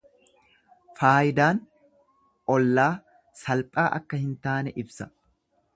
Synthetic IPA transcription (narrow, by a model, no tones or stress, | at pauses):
faːjɪd̪aːn | ɔlːaː | sɐlpʼːaːʔɐkːɐhɪnt̪aːnɛʔɪbsɐ